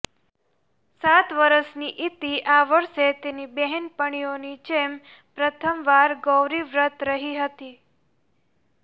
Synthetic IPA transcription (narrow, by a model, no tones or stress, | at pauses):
sat̪ʋəɾəsniʔit̪iʔaʋəɾʃet̪enibɛɦɛnpəɳ̃ionit͡ʃem | pɾət̪ʰəmʋaɾɡəwɾiʋɾət̪ɾəɦiɦət̪i